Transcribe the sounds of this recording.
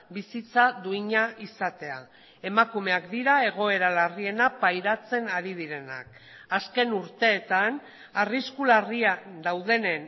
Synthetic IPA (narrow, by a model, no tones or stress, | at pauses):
bisit͡saðuiɲaʔisat̪e̞a̰ | e̞makume̞akd̪iɾae̞ɣ̞o̞e̞ɾalarie̞napajɾat͡se̞naɾið̞iɾe̞na̰k̚ | aske̞nuɾt̪e̞ːt̪an | ariskulariad̪awð̞e̞ne̞n